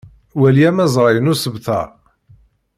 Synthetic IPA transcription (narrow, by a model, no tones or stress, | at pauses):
wæljæmæzˤɾˤɑjənusəbθæ̰